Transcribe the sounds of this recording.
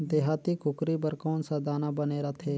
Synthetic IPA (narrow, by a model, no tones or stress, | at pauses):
d̪eːɦaːt̪ikʊkɾibəɾkɔːnsad̪aːnabəneːɾaːt̪ʰeː